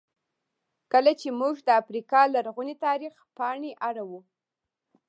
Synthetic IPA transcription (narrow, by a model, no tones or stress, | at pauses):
kəlat͡ʃemuʒd̪əafɾikɑlaɾɣunit̪ɑɾixpɑɳeʔaɽawu